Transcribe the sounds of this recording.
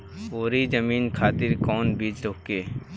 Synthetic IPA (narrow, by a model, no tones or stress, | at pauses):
oːɾid͡ʒəmiːnkʰaːt̪ɪɾkɔːnbiːd͡ʒɾoːkeː